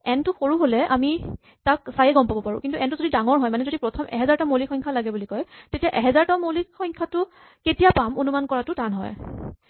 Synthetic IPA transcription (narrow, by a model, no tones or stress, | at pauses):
ɛntʊxoɹuɦolɛami | tak̚sajɛɡɔmpabɔpaɹʊ̰kintuʔɛntuzodidaŋɔɹɦɔjmanɛzodipɹɔtʰɔmɛ̰ɦɛzaɹtamolixɔjŋkʰalaɡɛbulikɔjtetijaʔɛɦɛzaɹtamolixɔjŋkʰatʊ | ketijapamonumankɔɹatʊtanɦɔ̰j